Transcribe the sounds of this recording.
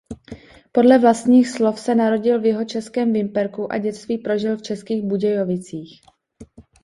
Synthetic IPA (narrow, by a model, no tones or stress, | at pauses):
po̞dlɛvlast̪ɲiːxslo̞fsɛnaɾo̞ɟɪlvjɛɦo̞t͡ʃɛskɛːmvɪmpɛɾkuʔa̰ɟɛt͡st̪viːpɾo̞ʒɪlft͡ʃɛskiːɣbuɟɛjovɪt͡siːx